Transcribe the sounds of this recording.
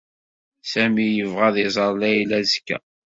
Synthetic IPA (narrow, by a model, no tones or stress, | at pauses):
sæmijəvʁæðɪzˤəɾˤlæjlæzkːæ̰